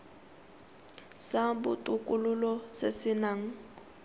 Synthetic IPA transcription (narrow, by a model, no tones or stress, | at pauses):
sabʊtʼukʼulʊlɔsesɪnaŋ̩